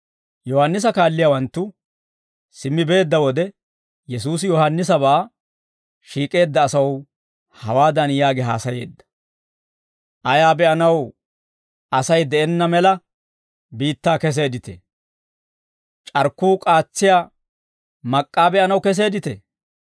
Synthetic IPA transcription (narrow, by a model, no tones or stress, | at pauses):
jɔhɐnːɪs̬ɐkaːlːɪjawɐnt̪ːʊ | sɪmːɪbe̞ːd̪ːɐwɔd̪ɛ | jɛsuːs̬jɔhɐnːɪs̬ɐbaː | ʃiːkʼe̞ːd̪ːɐːsɐw | hɐwaːd̪ɐnjaːɡɛɦa̰ːsɐje̞ːd̪ːɐ̥ | ʔɐjaːbɛʔɐnɐw | ɐsɐjd̪ɛʔɛnːɐmɛlɐ | biːt̪ːaːkɛs̬eːd̪ɪt̪ḛ | t͡ʃʼɐɾkːuːkʼaːt͡sːɪja | mɐkʼːaːbɛʔɐnɐwkɛs̬e̞ːd̪ɪt̪ɛ̰